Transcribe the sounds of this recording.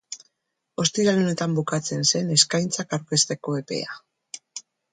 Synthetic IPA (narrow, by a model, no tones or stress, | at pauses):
o̞st̪iɾalone̞t̪ambukat͡se̞nse̞ne̞skajnt͡sakawɾke̞st̪e̞ko̞e̞pe̞̰a̰